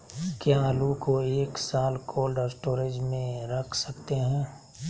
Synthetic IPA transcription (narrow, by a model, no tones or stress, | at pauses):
kjaːlukoeːksaːlkʰoːlɖɔːsʈoːɾed͡ʒmẽɾɐkʰsəkt̪eɦɛ̃ː